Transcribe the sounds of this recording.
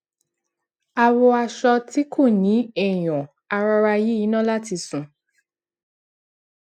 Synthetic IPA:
a˧wɔ˧a˧ʃɔ˧ti˦kʰo˦˨nĩ˨˦ɛ˨j̃ɔ̃˨ | a˧ɾɔ˧ɾa˧ji˦i˨˦nã˦la˦ti˧sũ˨

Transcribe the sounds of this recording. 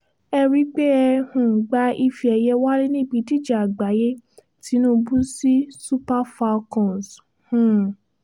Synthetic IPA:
ɛ˧ɾi˦k͡pe˦ɛ˧hũ˨ɡ͡ba˧˦i˧fi˧ɛ˧jɛ˦wa˦lĩ˦nĩ˦˨bi˧di˦˨d͡ʒa˨a˨ɡ͡ba˨˦je˦ | ti˨˦nũ˦bu˦si˦su˦pa˦fa˧kɔ̃˨s | hũ˨

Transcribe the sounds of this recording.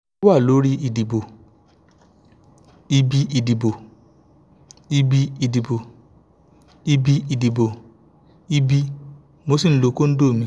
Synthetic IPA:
wa˦˨lo˨˦ɾi˦i˧di˨bo˨ | i˦bi˦i˧di˨bo˨ | i˦bi˦i˧di˨bo˨ | i˦bi˦i˧di˨bo˨ | i˦bi˦ | mo˧˦si˦˨n̩˦lo˧˦ko˦n̩˦do˦˨mĩ˧

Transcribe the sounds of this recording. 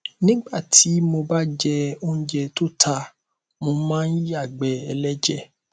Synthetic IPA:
nĩ˦ɡ͡ba˦˨ti˨˦mo˧ba˦d͡ʒɛ˧o˦n̩˦d͡ʒɛ˧to˦tʰa˧ | mo˧mãː˦n̩˦i˦a˦˨ɡ͡bɛ˨˦ɛ˧lɛ˦d͡ʒɛ˦˨

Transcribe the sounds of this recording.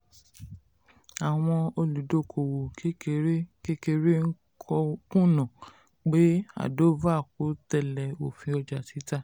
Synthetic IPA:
a˨w̃ɔ̃˧o˧lu˨do˨˦˨kʰo˨wo˨ke˦ke˧˨ɾke˦ke˧ɾe˦ŋ̩˦ | kʰɔ˧kũ˦˨nã˨ | k͡pe˨˦a̰˨do˦va˦˨ko˨˦tɛ˦˨lɛ˨o˨fĩ˧ɔ˧d͡ʒa˨ti˨˦ta˦

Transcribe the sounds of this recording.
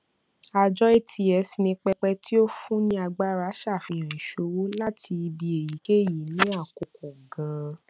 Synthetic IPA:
a˧d͡ʒɔ˦e˦˨tʰi˧ɛ˧si˧nĩ˧k͡pɛ˧k͡pɛ˧ti˦o˦fũ˦nĩ˦a˧ɡ͡ba˦ɾa˧˦ʃa˦˨fĩ˧˨hã˨ĩ˨ʃo˧wo˦la˦tʰi˧i˧bi˧e˨ji˨˦ke˦˨ji˨nĩ˨˦a˦˨ko˨ko˨ɡã˨˦

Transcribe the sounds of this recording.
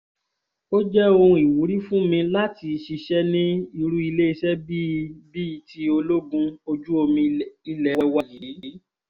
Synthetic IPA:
o˦d͡ʒɛ˦õ˧i˨wu˨˦ɾi˦fũ˦mĩ˧la˦ti˧ʃi˧ʃɛ˦nĩ˦i˧ɾu˦i˧le˦i˧ʃɛ˦bi˦bi˦˧ti˧˦o˧lo˦ɡũ˧o˧d͡ʒu˦o˧mĩ˧i˧lɛ˨˧wɛ˧wa˧ji˨˦˨

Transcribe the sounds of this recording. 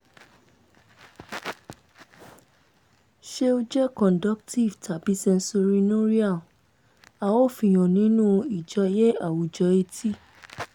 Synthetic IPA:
ʃe˧˦o˧d͡ʒɛ˦kɔ̃˨dɔ˦kti˦˨vtʰa˨bi˨˦sɛ̃˧n̩˦so˧ɾi˧nõ˦ɾi˦a˦˨ | a˨wo˦˨fĩ˧˨j̃ɔ̃˨nĩ˨˦nũ˦i˨d͡ʒɔ˧˦jɛ˦a˨wu˨d͡ʒɔ˧e˧tʰi˦

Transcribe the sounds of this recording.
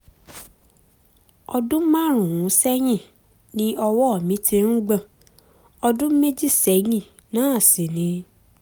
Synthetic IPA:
ɔ˧dũ˦mã˦˨ɾ̃ũ˨wũ˨˦sɛ˦j̃ĩ˦˨ | nĩ˦ɔ˧wɔ˦ɔ˦˨mĩ˨˦ti˧ɾ̃ũ˦ɡ͡bã˦˨ | ɔ˧dũ˦me˦d͡ʒi˦˨sɛ˨˦j̃ĩ˦˨ | nãː˦˨si˨nĩ˨˦

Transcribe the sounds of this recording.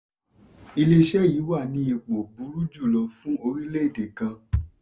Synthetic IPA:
i˧le˧ʃɛ˦ji˨˦wa˦˨nĩ˧˦e˧k͡po˨bu˨˦ɾu˦d͡ʒu˦˨lɔ˧fũ˦o˧ɾi˦le˦i˦˨de˨kã˧

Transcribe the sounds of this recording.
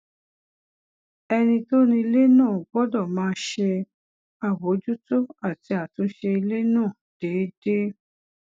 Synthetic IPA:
ɛ˧nĩ˧to˦nĩ˧i˧le˦nãː˦˨ɡ͡bɔ˦dɔ˦˨mãː˨˦˧ʃe˧ | a˨wo˨˦d͡ʒu˦to˦a˦˨ti˨˧˦a˨tũ˨˦n̩˦ʃe˧i˧le˦nãː˦˨d̥eː˨˦de˦

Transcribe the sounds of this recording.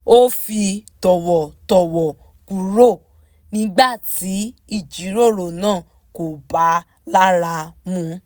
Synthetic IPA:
o˦fi˧tɔ˨wɔ˨tɔ˨wɔ˨ | ku˨ɾo˦˨ | nĩ˦ɡ͡ba˦˨ti˨˦i˦˨d͡ʒi˨˦ɾo˦˨ɾo˨nãː˦˨ | ko˨ba˨˦ | la˦ɾa˧mũ˦

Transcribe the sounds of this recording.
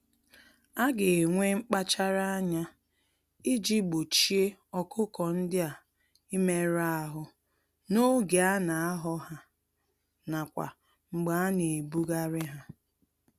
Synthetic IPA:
a˦ɡe˨ŋʷe˦ŋ͡m̩˦k͡pa˦t͡ʃa˦ɾa˦a˦ɲa˦ | i˦d͡ʒi˦ɡ͡bo˨t͡ʃi˦e˦ɔ˨kʰʊ˦kɔ˨n̩˦dɪ˦a˨ | i˦me˦ɾa˦ɦʊ˨ | no˦ɡe˨a˦na˨a˦ɦɔ˦ɦa˦ | na˨kʷa̰˨ | ŋ͡m̩˨ɡ͡ba˨a˦ne˨bu˦ɡa˦ɾɪ˦ɦa˦

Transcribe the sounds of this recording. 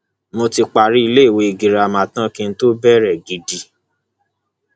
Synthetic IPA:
mo˧ti˧k͡pa˨ɾi˦i˧le˦i˦˨we˨˧i˨ɡi˨ɾa˧˨mã˨tã˦kĩ˧n̩˦to˦bɛ˦ɾɛ˨ɡi˨di˧

